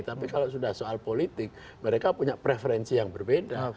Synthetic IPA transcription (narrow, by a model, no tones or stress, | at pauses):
t̪apikalosudahsoalpolit̪ɪk̚ | məɾekapuɲapɾefeɾɛnsijaŋbərbeda